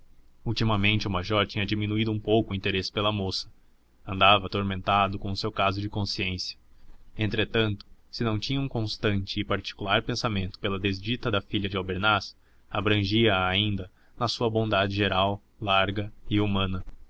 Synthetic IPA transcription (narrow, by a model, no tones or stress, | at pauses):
uwt͡ʃimɐmẽnt͡ʃɪʊmaʒɔɾt͡ʃĩɲɐd͡ʒiminuid̪ʊũpowkʊĩnt̪eɾesɪ̥pelɐmosɐ̥ | ɐ̃nd̪avɐt̪oɾmẽnt̪ad̪ʊkõʊsewkazʊd͡ʒɪkõsiẽsjɐ̥ẽnt̪ɾet̪ɐ̃nt̪ʊ̥sɪnɐ̃w̃t͡ʃĩɲɐũkõst̪ɐ̃nt͡ʃɪːpaɾt͡ʃi̥kulaɾpẽsamẽnt̪ʊ̥pelɐd̪ezd͡ʒit̪ɐd̪ɐfiʎɐd͡ʒɪobeɾnas | abɾɐ̃ʒiɐaːĩnd̪ɐ | nɐsuɐbõd̪ad͡ʒɪʒeɾaw | laɾɡɐɪumɐ̃nɐ